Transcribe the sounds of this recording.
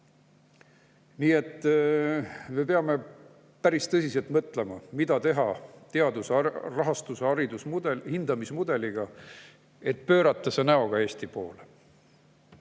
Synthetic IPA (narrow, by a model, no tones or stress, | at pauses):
niːe̞t̪ː | me̞peɑme̞ | pæɾist̪ɤsʲise̞lt̪mɤt̪le̞mɑmid̪ɑt̪e̞ɦɑt̪eɑd̪usɑrɑɦɑst̪usɑɾid̪usmuehind̪̥ɑmismud̪̥e̞liɡ̥ɑ | e̞t̪̚pø̞ːɾɑt̪ˑːɑsenæo̞ɡ̥ɑe̞ːst̪ipo̞̰ːle